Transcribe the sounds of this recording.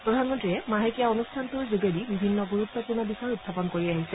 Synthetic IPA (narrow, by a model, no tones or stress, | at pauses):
pɹɔd̪ʱanmɔntɹiɛmaɦekijaonustʰantʊɹzuɡedibibʱinːɔɡuɹut̪ːɔpuɹnɔbisɔut̚ʰapɔnkoɹiaɦisɛ